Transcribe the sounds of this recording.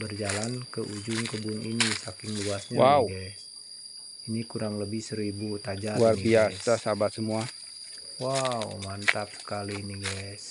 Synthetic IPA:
bərd͡ʒalankəʔud͡ʒʊŋkəbʊnḭnisakɪŋluasɲawʔauɡɛs | inikuɾaŋləbɪhsəɾibut̪ad͡ʒawarbiasasabasəmua | wawmant̪ap̚sə̥kaliniɡɛs

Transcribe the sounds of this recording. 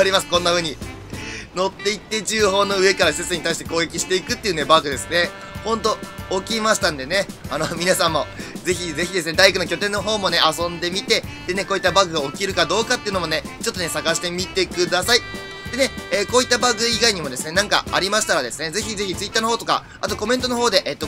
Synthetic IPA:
aɾʲimasɨ̥kõ̞nːaɸɯ̟ːɲ̟i | no̞t̪ːe̞it̪ːe̞ʑɨːɦo̞ːno̞ɯ̟e̞kaɾaset͡sɨɲ̟it̪aiɕi̥t̪e̞ko̞ːɡe̞kʲiɕi̥t̪e̞ikɯt̪ːeiɯ̟ne̞baɡɯ̟d̪e̞sɨne̞ | hõ̞nt̪̬o̞okʲimaɕi̥t̪ãnd̪e̞ne̞anomʲinasãmːo̞ze̞çize̞çʲid̪e̞sɨne̞d̪aikɯno̞kʲo̞t̪ẽ̞nːo̞ɦo̞ːmo̞ne̞ʔasõ̞nd̪e̞mʲit̪e̞d̪̥e̞ne̞koːit̪ːabaɡɯ̟ɡaokʲiɾɯ̟kad̪o̞ːkat̪ːeɯ̟no̞mo̞ne̞ | t͡ɕo̞t̪ːone̞saɡaɕi̥t̪e̞mʲit̪e̞kɯ̟d̪asai | d̪̥e̞ne̞eːko̞ːit̪ːabaɡɯ̟iɡaiɲ̟imo̞d̪e̞sɨne̞nãŋka̰a̰ɾʲimaɕi̥t̪aɾad̪e̞sɨne̞ze̞çizeçʲit͡sɨit̪ːaːnoɦo̞ːt̪oka̰ | a̰t̪o̞ko̞ment̪o̞noɦo̞ːd̪e̞ʔeːt̪ːo̞

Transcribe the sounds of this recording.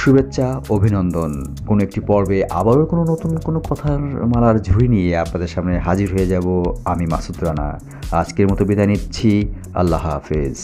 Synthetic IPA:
ʃubetːɕʰaobʱinɔnd̪on | konoek̚ʈipɔɾbeʔa̰baɾokononot̪unkonokɔt̪ʰamalaɾd͡ʑʱuɾinijeapnad̪eɾʃamneɦad͡ʑiɾɦoed͡ʑaboamima̰sut̪ɾana̰ | a̰d͡ʑkeɾmɔt̪obid̪anit̪ːt͡ɕʰi | a̰lːaɦa̰fez

